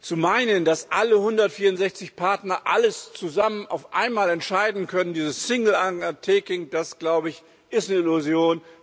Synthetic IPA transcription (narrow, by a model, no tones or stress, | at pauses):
t͡sumaɪnəndasʔaləhʊndɐtfiːɐʊntzɛçt͡sɪçpʰaɐtnɐʔaləst͡suzaməna̰ʊfʔa̰ɪnmaːlɛntʃaɪdn̩kʰœnəndiːzəssɪŋl̩aŋtʰɛːkɪŋd̥asɡ̥laʊbəɪç | ʔɪstnəɪluzjoːn